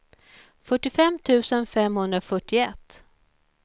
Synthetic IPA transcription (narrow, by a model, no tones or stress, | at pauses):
fœʈːɪfɛmt̪ʰʉ̟ːsənfɛmhɵnd̪ɾafœʈːɪɛt̪ː